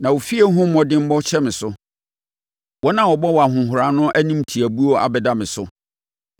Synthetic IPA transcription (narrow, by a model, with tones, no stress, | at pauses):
nã˨wo˨fi˦e˦ɦʊ̃˦m̩˦mɔ̃˨dɪ̃˦m̩˦bɔ˦t͡ɕʰɛ˦mɪ̃˨sʊ˦ | wɔ˦nã˦wɔ˨bɔ˦wa˨ɦʊ̃˨ɦʊ˨ɾa˨nʊ̃˦ʔæ˦nĩ˦mtʰi˨æ˨bu˦o˦ʔa̰˨bɛ˨da˦mɪ̃˨sʊ˦